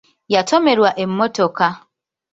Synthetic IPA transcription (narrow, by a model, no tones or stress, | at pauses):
jatomeɾwaʔem̩motoka